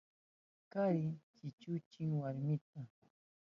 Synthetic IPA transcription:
kaɾɪt͡ʃɪt͡ʃʊt͡ʃɪŋwaɾmɪt̪a

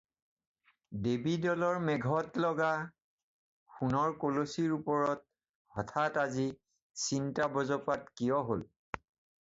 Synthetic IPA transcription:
debidɔlɔɹmɛɡʱɔtlɔɡa | xunɔɹkolosiɹupɔɹɔt̚ | hɔtʰatazi | sintabɔzɔpatkijɔɦol

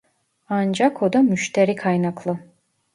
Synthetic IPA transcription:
and͡ʒakʰod̪amyʃt̪ʰɛɾikʰajnaklˠɯ

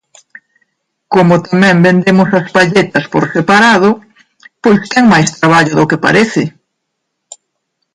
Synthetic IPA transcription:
komʊt̪amɛ̃mbend̪emʊsɐspaʎet̪ɐspoɾsepaɾaðʊ | pojst̪ɛŋmajst̪ɾaβ̞aʎʊðʊkepa̰ɾeθɪ

